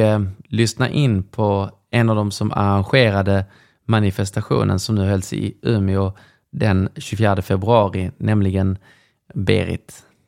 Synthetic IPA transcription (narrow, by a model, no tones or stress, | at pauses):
lʏsnaʔɪnːpʰɔ | ɛnːavd̪ɔmsɔma̰ɾanɧeːɾad̪ə | manɪfɛst̪aɧṵːnʔə̰nsɔmnʉ̟ːɦɛlsɪ̰ʉːmɪʊ | d̪ɛnɕɵfjæːɖəfɛbɾɵɑːɾɪnɛmlɪɡən | bḛːɾɪ̰t̪